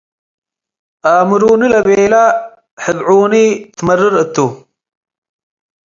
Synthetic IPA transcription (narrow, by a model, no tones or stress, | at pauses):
aːmuɾuːnilɐbeːla | ħɪd̪ʕuːnit̪ʰmɐɾiɾət̪ːu